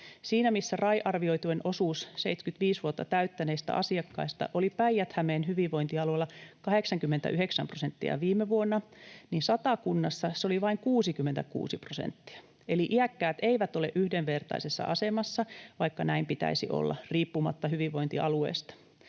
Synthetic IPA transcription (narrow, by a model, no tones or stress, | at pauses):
siːnæmisːærɑiʔɑrʋio̞it̪uenʔosuːsseit̪skyt̪ʋiːsʋuot̪ːɑt̪æyt̪ːæneːst̪æ̰ʔɑsiɑkːɑ̰ist̪ɑ̰ʔolipæijæt̪hæmeːnhyʋiʋʋoint̪iɑloilːɑkɑheksɑŋkymːent̪æ̰ʔyheksæmprosent̪ːiɑ̰ʋiːmeʋuonːɑniːnsɑt̪ɑkunːɑsːɑseo̞liʋɑiŋkuːsikymːent̪æ̰kṵːsiprosḛnt̪ːi̥æ̥ | eliʔiækːæːt̪eiʋæt̪o̞lḛʔyhdeʋʋert̪ɑ̰isesːɑ̰ʔɑsemɑsːɑʋɑikːɑnæimpit̪æ̰isḭʔo̰lːɑ̰riːpːumɑ̰t̪ːɑhyʋiʋʋo̞int̪iʔɑluḛːst̪ɑ̥